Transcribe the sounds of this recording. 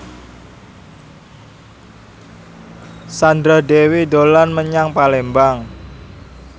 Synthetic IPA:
sand̪ɾadewidolanməɲaŋpalembaŋ

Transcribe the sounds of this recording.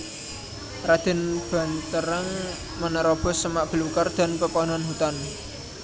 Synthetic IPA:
rad̪̥ɛ̤nb̥a̤nt̪əɾəŋ | mənəɾɔb̥ɔ̤səmaʔb̥ə̤lukərd̪̥a̤npəpɔnɔnhut̪an

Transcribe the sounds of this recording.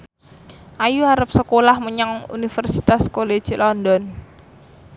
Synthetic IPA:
ʔajuaɾəp̚səkolahməɲaŋṵnifərsit̪askole̥d͡ʒ̥lɔnd̪ɔn

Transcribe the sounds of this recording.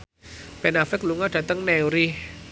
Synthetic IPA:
pɛnafɪk̚luŋɔɖ̥a̤t̪əŋnɛuɾih

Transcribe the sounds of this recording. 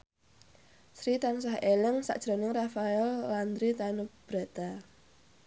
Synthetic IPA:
sɾit̪ansahelɪŋsa̰ʔd̥ʒ̥ɾo̤nɪŋrafaɛlːand̪ɾit̪anub̥ɾat̪a

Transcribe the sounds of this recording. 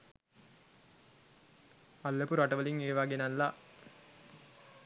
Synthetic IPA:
alːəpuɾaʈəʋəliŋeːʋaɡenalːa

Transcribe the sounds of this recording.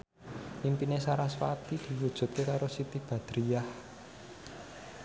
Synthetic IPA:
ʔimpinesaɾaswa̰t̪id̪̥i̤wud̥ʒ̥ṳt̪̚kekaɾosit̪ib̥a̤d̪̥ɾijah

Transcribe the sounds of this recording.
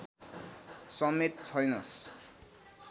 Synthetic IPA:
sʌmet̪̚t͡sʰʌjnʌs

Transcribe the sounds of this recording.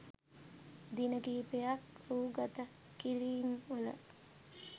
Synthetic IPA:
d̪inəɡiːpejɐkuːɡat̪ə | kiɾiːŋulə̰

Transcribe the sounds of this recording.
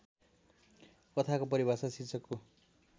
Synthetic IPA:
kʌt̪ʰakopʌɾibʱasʌsit͡sʌkːo

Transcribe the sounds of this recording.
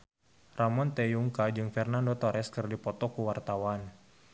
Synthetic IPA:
ramɔnt̪ɛjuŋkad͡ʒɨŋfɛrnandot̪ɔɾʔɛskɨrdipɔt̪ɔkuwart̪awan

